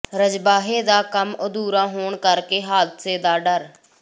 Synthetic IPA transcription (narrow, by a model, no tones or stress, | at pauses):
ɾəd͡ʒbaːɦeːd̪aːkəmʊd̪uːɾãːɦoːɳkəɾkeːɦaːd̪seːd̪aːɖəɾ